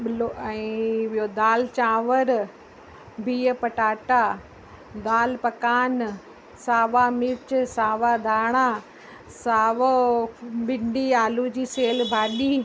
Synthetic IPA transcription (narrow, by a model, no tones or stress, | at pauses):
ɓɪloɛ̃ːʋɪɦod̪aːlt͡ɕaːʋəɾ | bʱiːəpɐʈaːʈa | d̪aːlpɐkaːn | saːʋamɪt͡ɕsaːʋad̪ʱaːɽ̃a | saːʋo | ɓɪɳɖiaːlud͡ʑiːseːlbʱaːɗiː